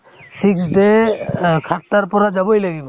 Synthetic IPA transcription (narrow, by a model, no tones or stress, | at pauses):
sikd̪e | kʰat̪ːaɾpɔɾad͡ʒabojlaɡibɔ